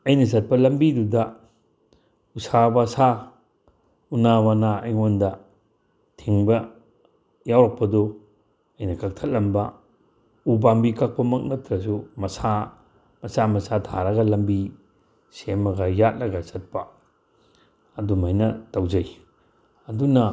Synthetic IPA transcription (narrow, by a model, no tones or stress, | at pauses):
ɐjnɐzɐt̚pɐlɐmbidudɐ | usabasa | unawanaɐjŋondɐ | tʰiŋbɐ | jawɾak̚pɐdo | ɐjnɐkak̚tʰɐt̚lɐmbɐ | ubambikʰak̚pɐmɐk̚nɐtɾɐsumɐsa | mɐsamɐsatʰa̰ɾɐɡɐlɐmbi | semɐɡɐjat̚lɐɡɐsɐt̚pɐ | dumajnɐtɐwd͡ʒɐj | ɐdunɐ